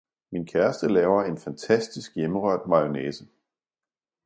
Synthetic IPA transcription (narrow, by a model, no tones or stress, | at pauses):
minkʰæɐsd̥əlɛːʊɐe̝nfænt͡sʰæsd̥isɡ̥jeməʁœɐ̰d̥mɑ̈o̝neːsə